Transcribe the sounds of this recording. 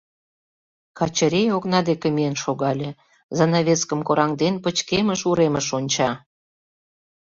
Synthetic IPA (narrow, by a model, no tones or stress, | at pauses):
kɑt͡ɕəɾʲejoknɑd̪ekĕmienʃoɣɑlʲĕ | zɑnɑβʲet͡skəmkoɾɑŋd̪enpət͡ɕkeməʃuɾeməʃonʲt͡ɕɑ